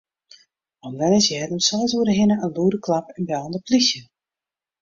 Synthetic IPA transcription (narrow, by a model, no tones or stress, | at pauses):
ɔndɛnɪsjɛːdəmsɔlˠtuəɾəɦɪnəənluəɾəkʰlapɛnbɛlˠəndəplisjə